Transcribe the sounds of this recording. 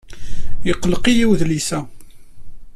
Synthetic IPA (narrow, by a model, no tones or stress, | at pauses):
jəqːlqijiwðlisæ